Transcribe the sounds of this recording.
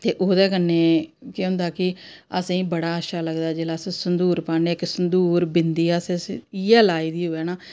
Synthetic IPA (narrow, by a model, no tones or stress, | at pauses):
t̪eːʔoːd̪ɛːkənːeːkeʊ̃nd̪aːkɪəsĩːbəɽaːəʃaːləɡd̪aːd͡ʒeːlaːsẽsənd̪uːɾpaːneːksənd̪uːɾbɪnd̪iːasẽsiɛːlaːiːd̪iːɦoːɛːnaː